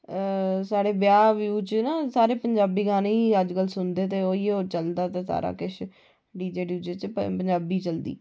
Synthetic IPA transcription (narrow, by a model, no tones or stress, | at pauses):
saːɽeːbjaːʋjuːt͡ʃnaːsaːɾeːpəɲd͡ʒaːbiːɡaːniːəd͡ʒkəlsʊnd̪eːt̪̬eːoːiːoːt͡ʃəld̪aːt̪eːsa̰ːɾa̰ːkɪʃʰ | ɖiːd͡ʒeːɖjuːd͡ʒeːt͡ʃpəɲd͡ʒaːbiːt͡ʃəld̪ḭː